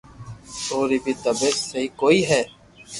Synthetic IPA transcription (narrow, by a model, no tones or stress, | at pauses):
t̪oːɾiːbʱiːt̪əbeːksəɦiːkoːiːɦɛː